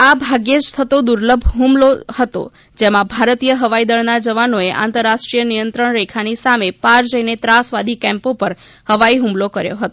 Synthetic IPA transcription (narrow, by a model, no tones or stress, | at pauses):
abʱaɡed͡ʒt̪ʰət̪od̪uɾləbʱɦũmlohət̪o̰ | d͡ʒemãbʱaɾt̪ijəɦəʋaid̪əɭnad͡ʒəʋanoeʔã̰nt̪əɾːaʃʈɾijənijənt̪ɾəɳɾekʰanisamepaɾd͡ʒəinet̪ɾasʋad̪ʱikɛ̃mpopəɾ | həʋaiɦũmlokəɾjo̰ɦət̪o